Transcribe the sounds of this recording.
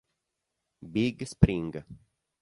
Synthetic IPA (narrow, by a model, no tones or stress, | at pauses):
biɡspɾĩŋɡə